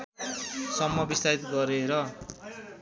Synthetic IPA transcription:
sʌmːʌbist̪ʰait̪ɡʌɾeɾʌ

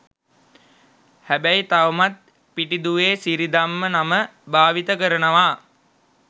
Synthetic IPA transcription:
hæbæjt̪aʋəmat̪̚ | piʈid̪uʋeːsiɾid̪amːənaməbaːʋit̪əkəɾənəʋa

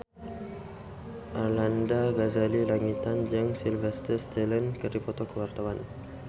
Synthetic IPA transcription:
ʔarlandaɡazalilaŋit̪and͡ʒəŋsilvɛst̪əst̪ɛlənkəripɔt̪ɔkəwart̪awan

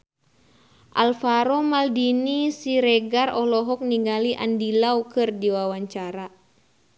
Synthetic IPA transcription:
ʔalfaɾɔmaldinisiɾɛɡarɔhlɔɦɔk̚niŋɡaliʔa̰ndilaukɨrdiwawaɲt͡ʃaɾa

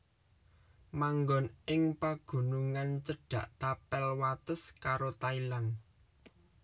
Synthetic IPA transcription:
maŋɡɔnɪŋpaɡ̥ṳnuŋant͡ʃəɖ̥ä̤ʔt̪apɛlwat̪əskaɾot̪ailan

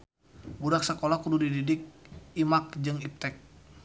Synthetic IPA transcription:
buɾak̚sakolahkududididɪk̚imak̚d͡ʒɨŋip̚t̪ɛk̚

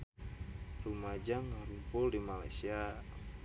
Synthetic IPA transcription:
rumad͡ʒaŋaɾumpʊldimala̰jsia

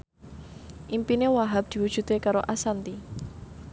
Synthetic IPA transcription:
ʔimpinewaɦap̚d̪̥i̤wud̥ʒ̥ṳt̪ekaɾoʔasant̪i

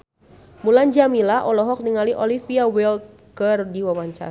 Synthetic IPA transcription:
muland͡ʒamilaʔɔlɔɦɔk̚niŋaliʔɔlifiawɛlt̪̚ | kərdiwawaɲt͡ʃa̰ɾ

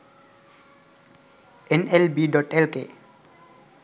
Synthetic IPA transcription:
enelbiɖɔʈelkḛ

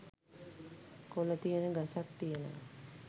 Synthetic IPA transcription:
kolət̪ijənəɡəsak̚t̪ijənə̰

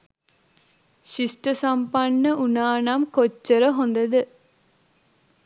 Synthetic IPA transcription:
ʃisʈəsampanːəʔunaːnamkot͡ʃːəɾəɦond̪əd̪ə

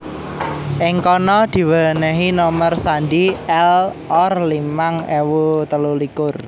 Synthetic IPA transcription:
ʔɪŋkɔnɔd̪̥i̤wənəɦinɔmərsandiɛl | ɔrlimaŋɛwut̪əlulikʊr

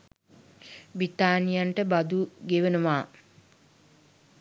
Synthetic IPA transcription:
bɾit̪aːnijaɳʈəbɐd̪uɡeʋenuʋaː

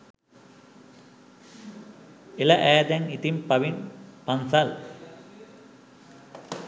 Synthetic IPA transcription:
elɐʔæːd̪æŋit̪impɐʋinpɐnsal

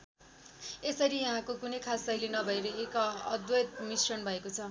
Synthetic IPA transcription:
esʌɾijʌ̃ɦãkokunʌjkʰasʌilenʌbʱʌeɾʌekʌd̪wʌt̪̚misrʌnbʱʌekot͡sʰʌ

